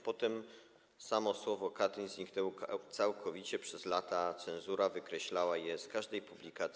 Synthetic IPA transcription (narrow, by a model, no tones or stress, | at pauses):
pɔt̪ɛm | samɔswɔvɔkat̪ɘnʲzʲɲiknɛwt̪sawkʰɔvʲit͡ɕɛpʂɛzlat̪at̪sɛ̃nzuɾavɘkɾɛɕlawajɛskaʐd̪ɛjpublʲikat̪sʲ